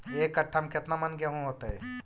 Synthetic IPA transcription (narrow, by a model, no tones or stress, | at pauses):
eːkɐʈʰːəmkɪt̪namɐnkjaɦũɦoːt̪aɦɛː